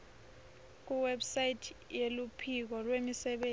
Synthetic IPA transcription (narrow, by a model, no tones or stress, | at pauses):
k̬uwɛbsajitʰjelupʰik̬ɔlwemisɛɓe